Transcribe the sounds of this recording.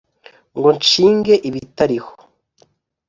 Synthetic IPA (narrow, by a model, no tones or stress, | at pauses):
ŋɡont͡ʃiːŋɡe̞ʔiβitaɾiho̥